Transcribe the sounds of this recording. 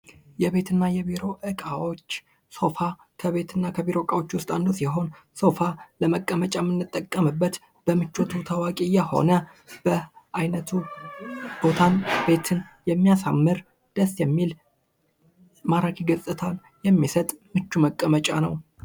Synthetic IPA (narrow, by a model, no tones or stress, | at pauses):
jɛβe̞t̪ʰɨnːajɛbiɾo̞ʔɨkʼawo̞t͡ʃː | so̞fa | kʰəβe̞t̪ʰɨnːakʰəbiɾo̞kʼawot͡ʃːwʊst̪ʼand̪osjɛɦo̞n | so̞faləməkʼːəmət͡ʃʼamɨnːɨt̪ʼːəkʼːəmɨbːət̪ | b̥əmɨt͡ʃːot̪ʰut̪ʰəwakʼijɛho̞̰nə | b̥əʔajnət̪ʰu | b̥o̞t̪ʰanbe̞t̪ʰɨnjɛmːijasa̰mːɨɾ | d̪̥əsjɛmːil | maɾakʰiɡəsʼɨt̪ʰal | jɛmːisət̪ʼmɨt͡ʃːuməkʼːəmət͡ʃʼanəw